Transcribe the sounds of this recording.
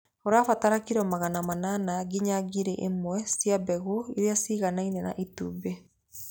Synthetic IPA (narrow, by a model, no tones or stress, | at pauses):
oɾafataɾakiɾɔmaɣanamananaɡiɲaɡiɾeʔemwɛsjabɛɣoiɾeasiɣanainɛna̰ʔituːbe